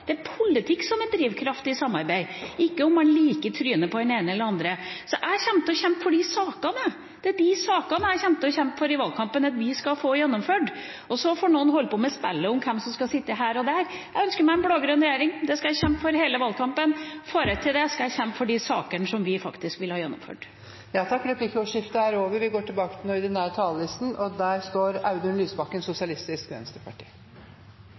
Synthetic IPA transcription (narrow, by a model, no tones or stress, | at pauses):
d̪̥ɛæɾpʰʊlɪt̪ʰɪksɔmɛd̪ɾiːʋkʰɾɑft̪ɪsɑmːɑ̰ɾbæɪɪkːəʊmɑnliːkət̪ʰɾyːənəpɔd̪ɛneːnəɛlːəɾɑnd̪ɾəsɔʔæçɛmt̪əɔɕɛmpfɔɖɪsɑːkɑnə | d̪̥ɛæɖɪsɑːkɑnəæçɛmt̪əɔçɛmp̪fɔɾɪʋɑlkʰɑmpənɑt̪ʋɪskɑfoːjɛnːʊmføːɖ | ɔsɔfɔːɳuːənhɔlːpʰɔmɛspɛlːəɔmkʰɛmsɔmskɑsɪt̪ːəɦæːɾɔd̪æɾ | jæɪœnskəɾmæɪɛnbloːɡɾœnɾɛjeːɾɪŋd̪ɛskɑjæçɛmpfɔɾheːləʋɑlkʰɑmpənfoːɾət̪ʰːɪld̪ɛskɑæçɛmpəfɔɖɪsɑːkəɳəʂɔmʋɪfɑkt̪ɪskʋɪlhɑːjɛnːʊ̰mfø̰ːɖ | jɑːt̪ʰɑkːɾɛpʰlɪkːəɔʂɪft̪əæɾoːʋəɾʋɪɡoːʈʰɪlbɑːkət̪ʰɪlɔɪd̪ɛnæɾt̪ʰɑːllɪst̪n̩ʔɔd̪æːɾst̪oːɾɑ̰ʉd̪ʉnlyːsbɑkːənsʊsɪɑlɪst̪ɪskʋɛ̰nst̪əpʰɑʈʰḭː